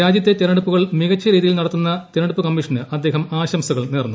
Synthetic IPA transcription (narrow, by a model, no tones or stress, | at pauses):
ɾaːd͡ʑjɐt̪ːe̞t̪enɐɽupːuɣɐɭmiɣɐt͡ɕːɐɾiːðijilnɐɽɐt̪ːunːɐt̪enɐɽupːɨkɐmːiʂɐnɨʔɐd̪ːe̞ːɦɐmaːɕɐmsɐɣɐɭneːrnːu